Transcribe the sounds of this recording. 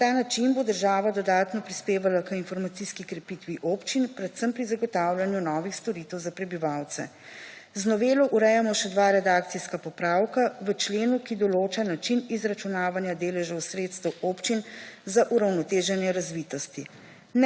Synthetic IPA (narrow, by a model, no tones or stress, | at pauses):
t̪aːnat͡ʃinbod̪əɾʒaːʋad̪ɔd̪aːt̪nɔpɾispeːʋalakəinfɔɾmat̪siskikɾɛpit̪ʋiʔoːpt͡ʃinpɾɛt̪səmpɾizaɡɔt̪awlʲjanjunɔːʋixst̪ɔɾiːt̪ɛwzapɾɛbiʋawt̪sɛ̰ | znɔʋeːlɔʔuɾɛjamɔʃɛd̪ʋaɾɛd̪aːkt̪siskapɔpɾaːwkaʋət͡ʃleːnukid̪ɔloːt͡ʃanat͡ʃinizɾat͡ʃunaːʋanjad̪eːlɛʒɔwsɾeːt̪st̪ɛwoːpt͡ʃinzaʔuɾawnɔt̪eːʒɛnjɛɾazʋit̪ɔst̪i